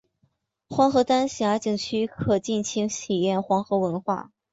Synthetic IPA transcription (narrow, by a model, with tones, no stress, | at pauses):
xwɑ˧˥ŋxɤ˧˥t̪a˥nɕja˧˥t͡ɕi˨˩ŋt͡ɕʰy˥kʰɤ˨˩t͡ɕi˥˩nt͡ɕʰi˧˥ŋɕʰi˨˩jɛ˥˩nxwɑ˧˥ŋxɤ˧˥wə˧˥nxwa̰˥˩